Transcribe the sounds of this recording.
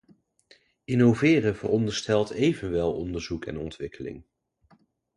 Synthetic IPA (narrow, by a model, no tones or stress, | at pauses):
ɪnovɪːrəvə̰rɔndəɹstɛlˠtʰejvənʋɛlˠɔndəɹzukɛ̰nɔ̰ntʋɪkʰəlɪ̰ŋ